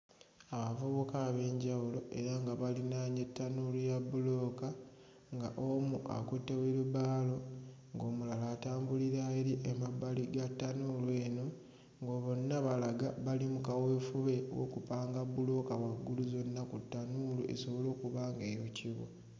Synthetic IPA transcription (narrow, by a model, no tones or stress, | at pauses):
aβavuβukaβe̞ːɲɟawulo̞e̞ɾaŋɡaβalinaːɲe̞tːanulujabulo̞ːka | ŋɡaʔomuʔa̰kutːeweluβaːlo̞ | ŋɡo̞ːmulalaːtaːmbuliɾaeɾiʔemabaliɡatːanulwe̞ːno̞ | ŋɡo̞ːβo̞nːaβalaɡaβalimukaweːfuβe̞wo̰kupaːŋɡabulo̞kawaɡːuluzo̞nːakutːanuluʔe̞̰so̞βo̞lo̞ːkuβaːŋɡe̞ːjociβo̰